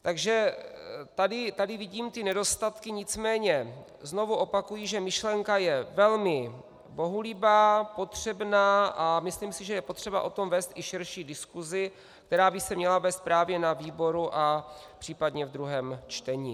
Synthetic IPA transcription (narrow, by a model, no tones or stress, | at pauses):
t̪aɡʒɛ | t̪adɪt̪adɪvɪɟiːmt̪ɪnɛdo̞st̪at̪kɪɲɪt͡smɛːɲɛ | zno̞vuʔo̞pakujiːʒɛmɪʃlɛŋkajɛvɛlmɪ | bo̞ɦulibaːpo̞t̪r̝̥ɛbnaːʔamɪsliːmsɪʒɛjɛpot̪r̝̥ɛbaʔo̞t̪o̞mvɛːst̪ʔɪʃɪɾʃiːdɪskuzɪ | k̚t̪ɛɾaːbɪsɛmɲɛlavɛːst̪̚pɾaːvjɛnaviːbo̞ɾuʔa | pr̥iːpadɲɛvd̪ɾuɦɛːmt͡ʃt̪ɛɲḭː